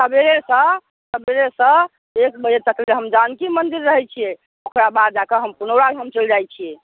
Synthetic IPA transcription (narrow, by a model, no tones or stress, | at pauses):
t̪əbeɾesə̃ | t̪əbeɾesə̃ | ekbəd͡ʒet̪əkleɦəmd͡ʒankimənd̪iɾːəɦɛt͡ʃʰijɛ | okʰɾabad̪̚d͡ʒakəɦəmpunəwɾaɡɦəmt͡ʃəld͡ʒajt͡ʃʰiɛ